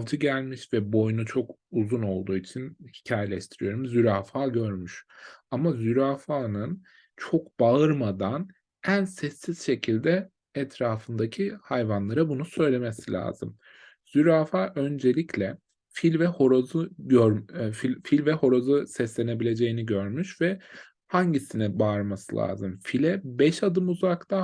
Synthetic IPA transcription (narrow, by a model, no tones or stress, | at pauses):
vd͡ʒɯɟælʲmiʃvɛbo̞jnut͡ʃʰo̞k | uzuno̞lˠd̪uːit͡ʃʰinhi̥cʰaːjelʲɛʃt̪ʰiɾijo̞ɾumzyɾaːfaːɟø̞ɾmyʃamazyɾaːfaːnɯn | t͡ʃʰo̞kb̥aɯɾmad̪an | ænsɛsːiz̥ʃe̞cʰilʲd̪ɛ | ɛt̪ʰɾaːfɯnd̪acʰihajvanlˠaɾabunusø̞jlʲe̞mesilʲa̰ːzɯm | z̥yɾaːfaːʔø̞nd͡ʒe̞lʲicʰlʲɛ | filʲvɛhoɾozuɟøɾifilʲvɛho̞ɾozusɛslʲene̞bilʲe̞d͡ʒe̞jiniɟøɾmyʃvɛ | haɲɟisinɛbaɯɾmasɯlˠa̰ːzɯmfilʲɛbɛʃad̪ɯmuzakt̪a